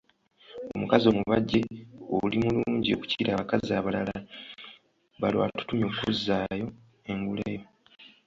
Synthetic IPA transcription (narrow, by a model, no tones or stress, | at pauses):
o̰mukazo̞ːmuβaɟːe̞olimuluːɲɟio̞̰ku̥ciːɾaːβakaziaːβalala | βalwa̰ːtu̥tumio̞ːkuzːaːjo̞ | e̞ŋɡulejo